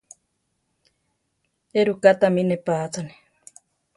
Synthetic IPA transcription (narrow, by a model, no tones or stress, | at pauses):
eɾukat̪aminepaːt͡sane̥